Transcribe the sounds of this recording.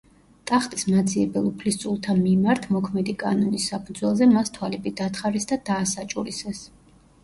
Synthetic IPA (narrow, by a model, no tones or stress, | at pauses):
t̪ʼaχt̪ʼismad̪ziɛbɛlˠupʰlist̪sʼulˠt̪ʰanmimaɾt̪ʰmɔkʰmɛd̪ikʼa̰nɔnisːapʰud̪zwɛlˠzɛmast̪ʰwalɛbid̪at̪ʰχaɾisd̪ad̪aːsat͡ʃʼuɾisɛs